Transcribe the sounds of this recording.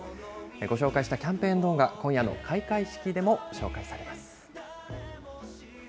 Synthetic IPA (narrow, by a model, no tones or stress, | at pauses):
ɡo̞ɕo̞ːkaiɕi̥t̪akʲãmpẽ̞ːnd̪o̞ːɡakõ̞ɰ̃jano̞̰kʰaikaiɕi̥kʲid̪e̞mo̞ɕo̞̰ːkaisaɾe̞masɨ̥